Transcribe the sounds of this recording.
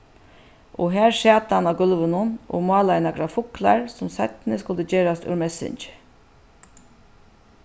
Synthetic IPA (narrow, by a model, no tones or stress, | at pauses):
ʔɔɦæːɹʃɑːt̪əanaɡʏlʋənʊnʔɔ̰mɑːlaɪnaɡɾafʊkla̰ɹsʊmsat̪nəskʊləd͡ʒeːɾast̪œ̰ɹmɛsɪ̰nt͡ʃ